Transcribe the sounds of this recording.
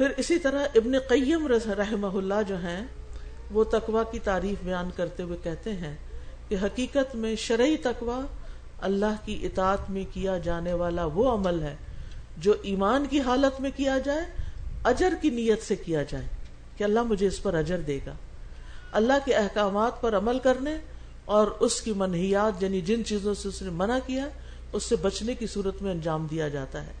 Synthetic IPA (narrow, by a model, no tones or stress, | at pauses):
pɪɾɪsit̪ɐɾaɦɪbneqɐjːəmɾɐɾɐɦɪməɦʊlːad͡ʒoːɦɛ̃ | ʋot̪ɐqʋakit̪aːɾiːfbɐjaːnkɐɾt̪eɦuekɛɦt̪eɦɛ̃ | keɦɐqiːqət̪mẽʃɐɾit̪ɐqʋa | ɐlːaɦkiʔɪt̪aːət̪mẽkijad͡ʒaːneʋaːlaʋoɐməlɦɛː | d͡ʒoːʔiːmaːnkiɦaːlət̪mẽkijad͡ʒaːeɐd͡ʒəɾkinijət̪sekijad͡ʒaːe | keɐlːaɦmʊd͡ʒʱeɪspɐɾɐd͡ʒəɾd̪eːɡa̰ː | ɐlːaɦkiɛɦkaːmaːt̪pɐɾɐməlkɐɾne | ɔːɾʊskimɐnɦijaːt̪jaːnid͡ʒɪnt͡ʃiːzõseʊsnemɐnakijaɦɛ | ʊsːebɐt͡ʃnekisuːɾət̪mẽɐ̃nd͡ʒaːmd̪ijad͡ʒaːt̪aɦɛ̰ː